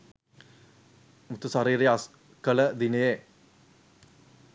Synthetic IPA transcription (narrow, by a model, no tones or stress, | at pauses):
mut̪usaɾiːɾejas | kələd̪inəje